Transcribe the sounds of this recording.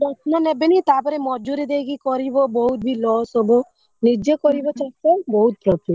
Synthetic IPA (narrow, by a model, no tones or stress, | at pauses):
ɾɔt̪nanebenit̪apɔɾemɔd͡ʒuɾid̪ekikɔɾibobɔɦut̪̚bʱilɔsɦobo | nid͡ʒekɔɾibɔt͡ʃasebɔɦut̪̚pɾɔpi